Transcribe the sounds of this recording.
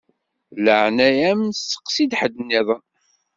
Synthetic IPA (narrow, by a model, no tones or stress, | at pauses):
ləʕnæjæmnsə̥qːsid̪ħəd̪ənːiðˤən